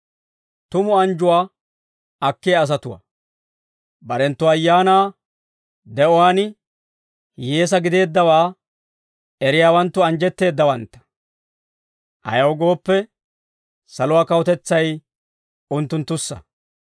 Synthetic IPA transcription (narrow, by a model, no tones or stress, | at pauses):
t̪ʊmʊɐnd͡ʒʊwaː | ɐkːɪjɐːs̬ɐt̪ʊwɐ̰ | bɐɾɛnt̪ːʊɐjːaːnaː | d̪ɛɔwaːnɪ | jeːs̬ɐɡɪd̪e̞ːd̪ːɐwaː | ɛɾɪjaːwɐnt̪ːʊɐnd͡ʒɛt̪ːe̞ːd̪ːɐwɐnt̪ːɐ̥ | ʔɐ̰jɐwɡo̞ːpːɛ | sɐlʊwaːkɐwɔt̪ɛt͡sːɐj | ʊnt̪ːʊnt̪ːʊsːɐ̰